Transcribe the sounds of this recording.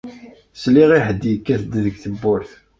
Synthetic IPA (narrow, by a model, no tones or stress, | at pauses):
sliʁiħəd̪ːijəkːæθəd̪ːðəɡθəbːʊɾθ